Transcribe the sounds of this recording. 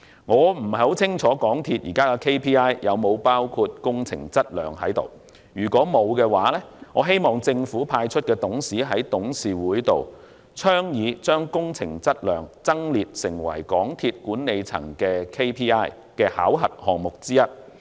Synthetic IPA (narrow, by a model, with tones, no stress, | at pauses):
ŋɔː˨˧m̩˨˩ɐ˨˩jho˨˥wt͡sʰɪ˥ŋt͡sʰɔː˨˥kɔː˨˥ŋt̪ʰiː˧t̚jiː˨˩kaː˥kɛ˧kʰe˥jpʰiː˥aː˥jjɐ˨˧wmo˨˧wpaː˥wkʰuː˧t̚kʊ˥ŋt͡sʰɪ̰˨˩ŋt͡sɐ˥t̚lœ̰ː˨ŋhɐ˨˥jt̪o̰˨˩w | jyː˨˩kɔː˨˥mo˨˧wkɛː˧waː˨˥lɛː˥ŋɔː˨˧ɦe˥jmɔː˨˩ŋt͡sɪ˧ŋfuː˨˥pʰaː˧jt͡ʃʰɵ˥t̚kɛː˧t̪ʊ˨˥ŋsiː˨˥ɦɐ˨˥jt̪ʊ˨˥ŋsiː˨wuː˨˥jt̪o̰˨w | t͡sʰœː˥ŋjiː˨˧t͡ʃœː˥ŋkʊ˥ŋt͡sʰɪ̰˨˩ŋt͡sɐ˥t̚lœː˨˩ŋt͡sɐ˥ŋliː˨t̚sɪ˨˩ŋwɐ̰˨˩jkɔː˨˥ŋt̪ʰiː˧t̚kuː˨˥nne˨˧jt͡sʰɐ̰˨˩ŋkɛː˧kʰe˥jpʰiː˥aː˥j | kɛː˧haː˨˥wɦɐ˨t̚hɔː˨ŋmʊ˨k̚t͡siː˥jɐ˥t̚